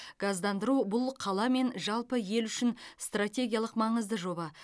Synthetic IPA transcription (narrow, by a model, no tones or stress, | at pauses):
ɡ̥ɑzd̪ɑnd̪əɾubʊlˠqʰɑlˠɑme̞nʒɑlˠpəje̞lʏʃɪnst̪rat̪ʲe̞ɡʲijalˠəqmɑɴəzd̪əʒo̞bɑ